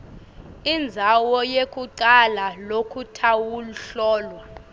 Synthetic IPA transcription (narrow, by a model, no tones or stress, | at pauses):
ind͡zʱawɔjekʼuǃalalokʰutʰawuluɬɔːlwa